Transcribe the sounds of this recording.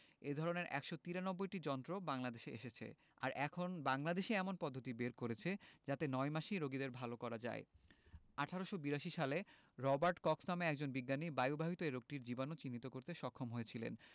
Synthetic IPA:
ed̪ʱɔɾoneɾɛ̰kʃot̪iɾanɔbːojʈid͡ʑɔnt̪ɾobaŋlad̪eʃeḛʃet͡ɕʰḛ | a̰ɾɛkʰonbaŋlad̪eʃeɛmonpɔd̪ʱːot̪ibeɾkoɾet͡ɕʰed͡ʑat̪enɔemaʃiɾoɡid̪eɾbʱalokɔɾad͡ʑa̰e | aʈʰaɾoʃobiɾaʃiʃale | ɾɔbaɾʈkɔksnameɛkd͡ʑonbiɡːanibajubʱaɦit̪oeɾoɡ̚ʈiɾd͡ʑibanot͡ɕinːit̪okoɾt̪eʃɔkʰːomɦojet͡ɕʰilḛn

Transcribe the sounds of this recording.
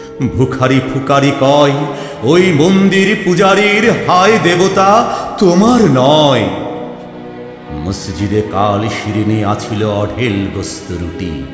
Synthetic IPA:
bʱukʰaɾipʰukaɾikɔe | ojmond̪iɾpud͡ʑaɾiɾɦaed̪ebot̪at̪omaɾnɔe | məsd͡ʑid̪ekalʃiɾiniat͡ɕʰiloɔɖʱelɡost̪oɾṵʈḭ

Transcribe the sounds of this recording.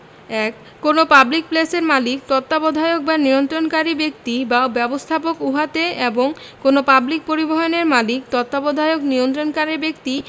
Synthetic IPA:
ɛkːonopablik̚pleseɾmalik̚t̪ɔt̪ːabod̪ʱaeok̚banijont̪ɾonkaɾibek̚t̪ibabɛbost̪ʰapokuɦat̪eeboŋ | konopablik̚poɾiboɦoneɾmalik̚t̪ɔt̪ːabod̪ʱaeokniont̪ɾonkaɾiɾbekt̪i

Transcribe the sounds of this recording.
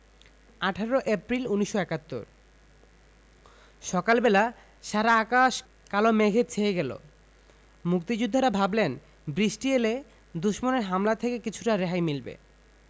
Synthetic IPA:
aʈʰaɾoʔepɾiluniʃːoɛkat̪ːo̰ɾ | ʃɔkalbɛla | ʃaɾaakaʃ | kalomeɡʱet͡ɕʰeeɡɛlo̰ | muk̚t̪id͡ʑud̪ʱːaɾabʱablen | bɾiʃʈiele | d̪uʃmoneɾɦamlat̪ʰekekit͡ɕʰuʈaɾeɦajmilbḛ

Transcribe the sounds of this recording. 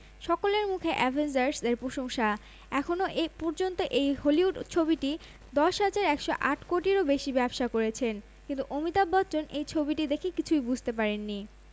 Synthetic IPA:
ʃɔkoleɾmukʰeʔɛvʱensaɾsd̪eɾpɾoʃoŋʃa | ɛkʰonoʔepɔɾd͡ʑont̪oʔejholiɦuɖt͡ɕʰobiʈi | d̪ɔʃɦad͡ʑaɾɛkʃoʔaʈʰkoʈiɾobeʃibɛbʃakoɾet͡ɕʰen | kint̪uʔomit̪abːɔtːt͡ɕonʔejt͡ɕʰobiʈid̪ekʰekit͡ɕʰujbud͡ʑʱt̪epaɾenːi

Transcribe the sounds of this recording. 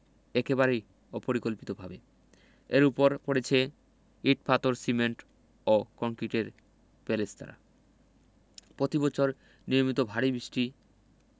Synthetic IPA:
ekebaɾej | opoɾikolpit̪obʱabe | eɾupoɾpoɽet͡ɕʰe | iʈ̚pat̪oɾsimeɳʈ | okɔŋkiʈeɾ | pelest̪a̰ɾa̰ | pɾot̪ibɔt͡ɕʰoɾ | nijomit̪obʱaɽibɾiʃʈi

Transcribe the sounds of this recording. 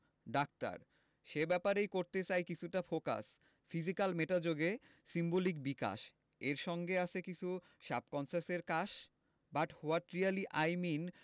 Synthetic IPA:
ɖak̚t̪a̰ɾ | ʃebɛpaɾejkoɾt̪et͡ɕajkit͡ɕʰuʈafoka̰s | fid͡ʑikalmeʈad͡ʑoɡe | simbolik̚bika̰ʃ | eɾʃɔŋɡeat͡ɕʰekit͡ɕʰu | ʃa̰p̚kɔnsaɾseɾkaʃ | baʈhoaʈɾialiʔajmin

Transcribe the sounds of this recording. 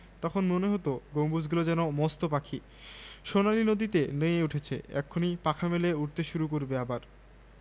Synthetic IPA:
t̪ɔkʰonmoneɦot̪oɡombud͡ʑɡulod͡ʑɛnomɔst̪opakʰi | ʃonaɾinod̪it̪enojeuʈʰet͡ɕʰḛɛ̰kʰːonipakʰameleuʈ̚t̪eʃuɾuk̬oɾbeabaɾ

